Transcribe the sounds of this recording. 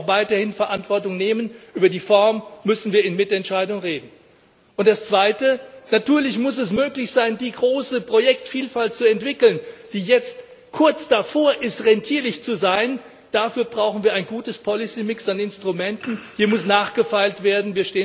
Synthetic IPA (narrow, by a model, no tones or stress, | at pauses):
xvaɪtɐhɪnfɛɐʔantv̥ɔɐtʊŋneːmənʔyːbɐdiːfɔɐmːʏsn̩viːɐɪnmɪtɛntʃaɪdʊŋʁeːdn̩ | ʔʊntd̥ast͡sv̥aɪtənatʰyːɐlɪçmʊsɛs̬møːklɪçz̥aɪndiːɡʁoːsəpʁ̥ojɛktfiːlfalt̚t͡suɛntv̥ɪkl̩nd̥iːjɛt͡st | kʰʊɐt͡sd̥afoːɐʔɪstʁɛntʰiːɐlɪçt͡suzaɪn | d̥afyːɐbʁaʊxn̩viːɐaɪnɡuːtəspʰɔlisiːmɪksanɪnstʁ̥umɛntn̩hiːɐmʊsnaːχɡ̥əfaɪltv̥eːɐdn̩viːɐʃteːn